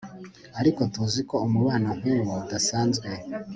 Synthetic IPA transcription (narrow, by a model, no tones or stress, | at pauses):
aɾiko̞tuziko̞umuβaːnaŋ̥uːŋwoudasaːnzɡwe